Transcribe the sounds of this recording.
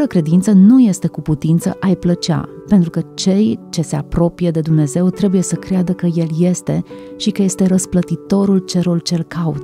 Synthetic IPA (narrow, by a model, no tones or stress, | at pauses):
əfɾəkɾe̞d̪int̪sənuje̞st̪e̞kuput̪int̪sə̰ʔajplət͡ʃa̰pent̪ɾukət͡ʃe̞jt͡ʃe̞se̞apɾo̞pijed̪e̞d̪umne̞ze̞wt̪ɾe̞buje̞səkɾead̪əkəje̞lje̞st̪e̞ | ʃikəje̞st̪e̞ɾəsplət̪it̪o̞ɾult͡ʃe̞ɾult͡ʃe̞lkaut̪